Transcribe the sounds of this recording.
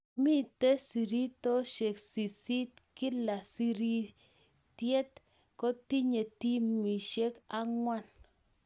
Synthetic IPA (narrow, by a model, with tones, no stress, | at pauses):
mi˦t̪e˦si˨ɾi˦t̪ɔ˦ʃɛ˨ksi˨si˦t̪kɪ˦la˨si˦ɾi˦ | t̪je˦t̪ | kɔ˦t̪i˦ɲe˨t̪i˦mi˨ʃe˦ka˦ŋwa˦n